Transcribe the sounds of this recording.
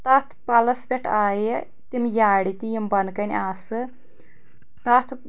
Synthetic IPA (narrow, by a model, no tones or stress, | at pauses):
t̪ɐt̪ʰpɐlɐsbʲeʈʰaːjə | t̪imjaːɽit̪ijimbɐnkɐnʲaːsɨ | t̪ɐt̪ʰ